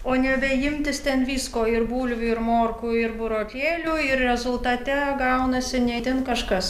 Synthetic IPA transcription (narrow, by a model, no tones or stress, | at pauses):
oːnʲɛbʲɛjɪmʲt̪ʲɪst̪ʲɛnʋʲiːskoːɪrbuːlʲʋʲʊɪɾmoːrkuːɪɾbʊɾoːkʲeːlʲuːɪrɾʲɛzʊlˠt̪ɑːt̪ʲɛɡɐʊnɐsʲɪnʲɛt̪ʲɪnkɐʃkɐs